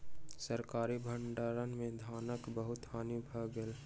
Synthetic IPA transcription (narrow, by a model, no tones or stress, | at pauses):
səɾkaːɾibʱə̃ɳɖaːɾənmẽd̪ʱaːnəkbəɦʊt̪haːnibʱəɡəl